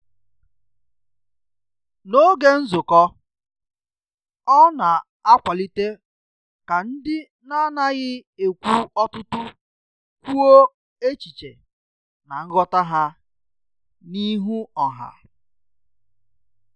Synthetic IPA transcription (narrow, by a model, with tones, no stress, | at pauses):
no˦ɡe˦n̩˦zʊ˨kɔ˦ | ɔ˦na˨ | a˦kʷa˨li˦te˦ | ka˨n̩˦dɪ˦ | na˦na˦ɣɪ˦e˨kʷu˦ɔ˦tʊ˦tʊ˦ | kʷu˦o˦ | e˦t͡ʃi˨t͡ʃḛ˨ | na˨ŋ̩˦ɡɔ˦ta˦ɦa˦ | ni˦ɦu˦ɔ˨ɦa̰˨